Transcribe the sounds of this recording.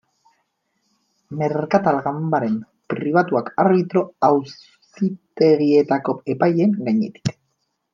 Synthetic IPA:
me̞ɾkat̪alɣambaɾe̞m | pɾiβ̞at̪uakaɾβit̪ɾo̞aws | it̪e̞ɣie̞t̪ako̞e̞paje̞ŋɡaɲe̞̰t̪i̥k

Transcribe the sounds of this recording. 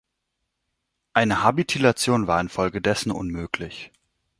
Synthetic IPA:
ʔaɪnəhabitʰilat͡sjoːnvaːɐɪnfɔlɡədɛsn̩ʔʊ̰nmøːklɪç

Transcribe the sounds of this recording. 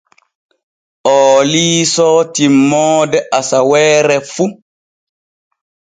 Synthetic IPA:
ʔɔːliːsɔːtimːɔːdɛʔasawɛːɾɛfu

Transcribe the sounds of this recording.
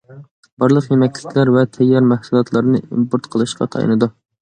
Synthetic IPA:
b̥ɑɾlˠəqjemɛkʲlɪkʲʰlæɾvɛt̪ʰɛjːɑɾmæhsulˠɑt̪ʰlˠɑɾnɨʔḭmpoɾt̪qʰəlˠɨʃqʰɑ̰t̪ʰɑ̰jɨ̰nɨd̪u

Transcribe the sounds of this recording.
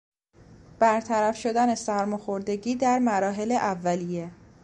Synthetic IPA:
b̥æɾt̪ʰæɾæfʃo̞d̪ænesæɾmoxoɾd̪e̞ɟiːd̪æɾmæɾɒːɦe̞leʔævːælije̞

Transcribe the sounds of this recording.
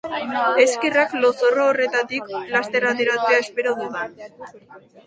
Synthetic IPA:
e̞skeraklo̞soroore̞t̪at̪ikplast̪e̞ɾat̪eɾat͡seae̞spe̞ɾoðuða

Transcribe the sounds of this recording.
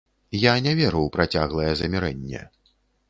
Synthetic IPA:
janʲɛvʲɛɾɐwpɾat͡sʲaɣlˠɐjɛzɐmʲɛɾɛnʲːɛ̰

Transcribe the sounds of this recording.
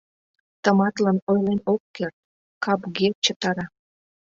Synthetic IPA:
t̪əmɑt̪lɑnojlenokːert̪̚ | kɑpɡet̪̚t͡ɕət̪ɑɾɑ

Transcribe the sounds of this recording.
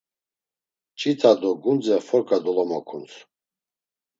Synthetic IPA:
t͡ʃʼit̪ʰad̪ɔɡund͡zɛfɔɾkʼad̪ɔlɔmɔkʰunsʰ

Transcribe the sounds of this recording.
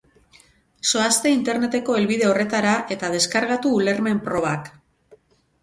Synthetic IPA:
so̞ast̪e̞int̪e̞ɾne̞t̪e̞ko̞e̞lβiðe̞o̞re̞t̪aɾaʔe̞t̪að̞e̞skaɾɣ̞at̪uːle̞ɾme̞mpɾo̞β̞ak

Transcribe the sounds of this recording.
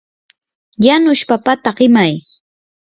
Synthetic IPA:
janʊʃpapat̪aɢɪmaj

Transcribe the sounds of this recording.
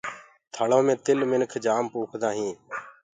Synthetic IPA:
t̪ʰaːɭoːmẽːt̪ɪlmɪnkʰd͡ʒaːmpuːkʰd̪ãːɦĩː

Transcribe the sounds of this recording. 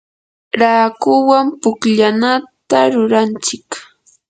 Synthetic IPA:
ɾaːkʊwampʊkʎanat̪aɾʊɾant͡ʃɪk

